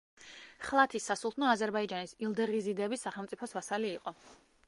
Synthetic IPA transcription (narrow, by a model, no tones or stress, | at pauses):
χlˠat̪ʰisːasulˠt̪ʰnɔazɛɾbaid͡ʒanisilˠd̪ɛʁizid̪ɛbisːaχɛlˠmt̪sʼipʰɔsvasaliːqʼɔ